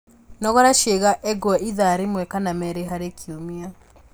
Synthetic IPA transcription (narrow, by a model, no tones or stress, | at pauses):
nɔɣɔɾaʃeɣaʔɛɡɔɔiðaɾemwɛkanamɛɾeɦaɾekiomia